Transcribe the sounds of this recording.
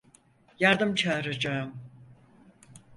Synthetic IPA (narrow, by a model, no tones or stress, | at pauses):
jaɾd̪ɯmt͡ʃʰaːɾad͡ʒaɯm